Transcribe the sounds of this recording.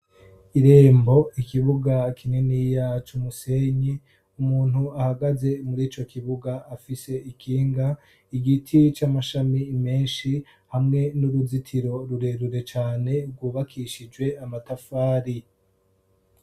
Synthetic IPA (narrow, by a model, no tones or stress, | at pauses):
iɾe̞ːmbo̞ikiβuɡakʰinenijat͡ʃumuse̞ɲi | umuːn̥huahaɡaze̞muɾiːt͡ʃo̞kiβuɡaːfise̞ikʰiːŋɡa | iɡitʰit͡ʃamaʃamimeːnʃi | hamŋe̞nuɾuzitʰiɾo̞ɾuɾe̞ɾuɾe̞t͡ʃaːne̞ɾɡwuːβakʰiʃid͡ʒwe̞amatafaːɾi